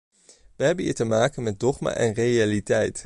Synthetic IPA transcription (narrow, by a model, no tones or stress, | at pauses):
ʋəɦɛbənḭːɹtəmaːkənmɛt̚dɔχma̰ːʔɛnrejalitɛjt